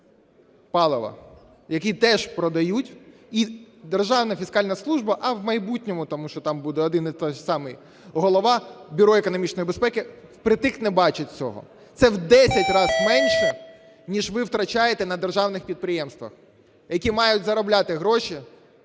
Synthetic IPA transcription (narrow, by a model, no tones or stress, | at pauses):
pɑlˠɪʋɐ̰ | jɐkʲit̪ɛʒ̥pɾɔd̪ɐjutʲ | id̪erʒɑwnɐfʲiskɑlʲnɐslˠuʒbɐʔɐwmɐjbutʲnʲɔmʊt̪ɔmuʃt͡ʃɔt̪ɑmbud̪ɛɔd̪ɪnt̪ɔsɑmɪj | ɦɔlˠɔʋɑbʲʊɾɔekɔnɔmʲit͡ʃnɔjibespɛkɪpɾɪt̪ɪxnɛbɑt͡ʃɪt̚ʲt͡sʲɔ̰ɦɔ̰ | t̪sɛwd̪ɛsʲɐtʲrɑzmɛnʃɛ | nʲiʒʋɪwt̪ɾɐt͡ʃajet̪ɛnɐd̪erʒɑwnɪxpʲid̪̚pɾɪjɛmst̪ʋɐ̰x | jɐkʲimɑjʊtʲzɐɾɔblʲat̪ɪɦɾɔʃi